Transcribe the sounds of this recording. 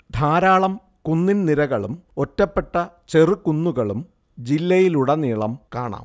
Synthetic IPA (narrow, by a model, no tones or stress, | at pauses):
d̪ʱaːɾaːɭɐm | kunːinniɾɐɣɐɭumo̞tːɐpːe̞ʈːɐt͡ɕe̞rukunːuɣɐɭum | d͡ʑilːɐjiluɽɐniːɭɐmkaːɳa̰ːm